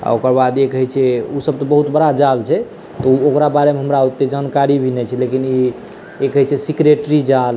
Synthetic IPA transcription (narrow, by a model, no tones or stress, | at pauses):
a̰okəɾbad̪jekəɦɛt͡ʃʰɛusəb̚t̪ɔbəɦut̪bəɽad͡ʒalt͡ʃʰɛ | t̪ɔuokɾabaɾemeɦəmɾaut̪ːed͡ʒankaɾibʱinɛt͡ʃʰɛlekini | ekəɦɛt͡ʃʰɛsikɾeʈɾid͡ʒal